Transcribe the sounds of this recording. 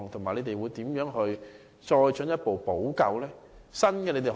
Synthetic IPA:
ŋt̪ʰo˨˩ŋmaː˨˩jle˨˧t̪e˨jwuː˨˧jt̪iː˨˥mjœː˨˥ŋɦɵ˧ɥ | t͡ʃɔː˧jt͡ʃɵ˨˥njɐ˥t̚po˨wpo˨˥wkɐ˧wlɛː˥sɐ˥nkɛː˧le˨˧t̪e˨˩

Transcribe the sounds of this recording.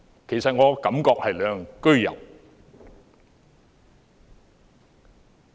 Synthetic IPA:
kʰe˨˩jsɐ˨t̚ŋɔː˨˧kɐ˨˥mkɔː˧k̚hɐ˨jlœː˨˧˨ŋkɵ˥ɥjɐ̰˨˩w

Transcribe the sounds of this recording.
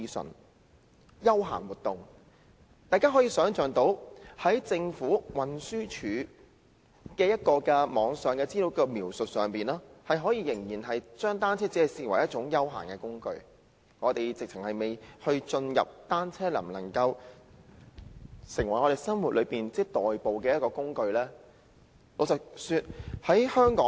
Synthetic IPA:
i˧sɵ̰˨˩n | jɐ˥wɦa̰ː˨˩nwuː˨˩t̪ʊ˨ŋ | t̪aː˨jkaː˥ɦɔː˨˥jiː˨˧sœː˨˥ŋt͡ʃœː˨ŋt̪o˨˥whɐ˨˥jt͡sɪ˧ŋfuː˨˥wɐ˨˧nsyː˥t͡ʃʰyː˨˥ | kɛː˧jɐ˥t̚kɔː˧kɛ˧mɔː˨˧ŋsœː˨ŋkɛː˧t͡siː˥lo˨˥wkɔ˧miː˨˩wsɵ˨t̚sœː˨ŋpiː˨nlaː˥hɐ˨jɦɔː˨˥jiː˨˧jɪ˨˩ŋjiː˨˩nɦɐ˨jt͡ʃœː˥ŋt̪aː˥nt͡sʰɛː˥t͡si˨˥ɐ˨jsiː˧˩wɐ˨˩jɐ˥t̚t͡ʃʊ˨˥ŋjɐ˥wɦa̰ː˨˩nkɛː˧kʊ˥ŋkɵ̰˧ɥ | ŋɔː˨˧t̪e˨jt͡sɪ˨k̚t͡sʰɪ˨˩ŋhɐ˨jme˨jhɵ˧ɥt͡ʃɵ˧njɐ̰˨p̚t̪aː˥nt͡sʰɛː˥lɐ̰˨˩mlɐ̰˨˩ŋkɐ˧w | sɪ˨˩ŋwɐ˩jŋɔ˨˧t̪e˨˩jsɐ˥nwu˨t̚lʔɵ˨˧piː˨nt͡sɛː˥t̪ɔː˨jpo˨wkɛː˧jɐ˥t̚kɔː˧kʊ˥ŋkɵ˧ɥlɛː˥ | no˨˧t͡sɐ˨syː˧t̚hɐ˨˥jhœː˥ŋkɔː˨˥

